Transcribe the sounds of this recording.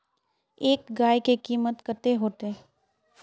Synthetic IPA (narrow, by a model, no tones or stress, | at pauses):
eːkɡaːjkekiːmət̪kəɾt̪eɦoːt̪e